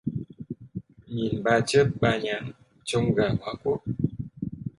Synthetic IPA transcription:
ɲi˨nba˦t͡ʃə˦p̚ɓa˧ɲa˨ŋ | t͡ʃo˦ŋɡa˨ŋwa˨kwo˨˦˨

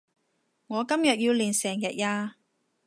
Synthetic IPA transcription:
ŋɔː˨˧kɐ˥mjɐ˨t̚jiː˧wliː˨˩nsɛː˨˩ŋjɐ˨t̚jaː˧

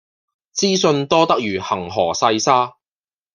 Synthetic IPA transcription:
t͡siː˥sɵ˧nt̪ɔː˥t̪ɐ˥k̚jyː˨˩hɐ˨˩ŋɦɔː˨˩sɐ˧jsaː˥

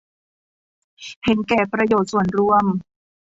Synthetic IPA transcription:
he˩˦nkɛː˨˩pɾa˧joː˨˩t̪̚su˨˩ənɾu˧əm

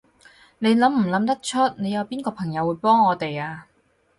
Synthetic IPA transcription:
ne˨˧jlɐ˨˥mm̩˨˩lɐ˨˥mt̪ɐ˥k̚t͡ʃʰɵ˥t̚ne˨˧jɐ˨˧wpiː˥nkɔː˧pʰɐ˨˩ŋjɐ˨˧wːuː˨˧jpɔː˥ŋɔː˨˧t̪e˨jaː˧

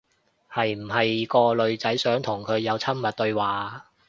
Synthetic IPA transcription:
hɐ˨jm̩˨˩ɦɐ˨jkɔː˧lɵ˨˧ɥt͡sɐ˨˥jsœː˨˥ŋt̪ʰʊ˨˩ŋkʰɵ˨˧ɥjɐ˨˧wt͡sʰɐ˥mmːɐ˨t̚t̪ɵ˧ɥwaː˨

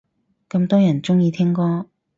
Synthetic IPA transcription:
kɐ˧mt̪ɔː˥jɐ˨˩nt͡sʊ˥ŋjiː˧t̪ʰɪ˥ŋkɔː˥

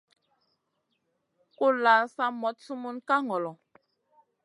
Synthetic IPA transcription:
ko˦la˨sa˦mɔ˨˦t̚su˦mu˦nka˦ŋɔ˨lɔ˨

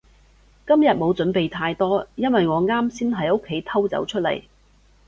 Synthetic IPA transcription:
kɐ˥mjɐ˨˩t̚mo˨˧wt͡sɵ˨˥npe˨jt̪ʰaː˧jt̪ɔː˥jɐ˥nwɐ˨jŋɔː˨˧ŋaː˥msiː˥nɦɐ˨˥jo˥kʰːe˨˧˥jt̪ʰɐ˥wt͡sɐ̰˨˥wt͡ʃʰɵ˥t̚lɐ̰˨˩j

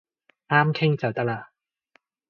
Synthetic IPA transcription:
ʔaː˥mkʰe˥˩ŋt͡ɕa˨˩t̪a˧la˨˩

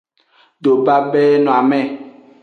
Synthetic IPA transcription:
ɖ̪o˨ba˦bɛ˦nɔ̃˨a˨mɛ̃˨

